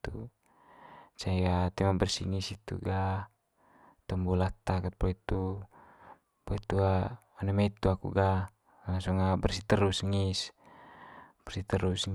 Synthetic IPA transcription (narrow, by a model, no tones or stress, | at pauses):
t̪u | t͡ʃaiat̪imabərsḭŋisit̪ṵɡa | t̪ɔmbɔlat̪akat̪̚pɔit̪u | pɔit̪ua | anamɛit̪uakṵɡa | asɔŋabərsit̪əɾusŋis | b̥ərsit̪əɾus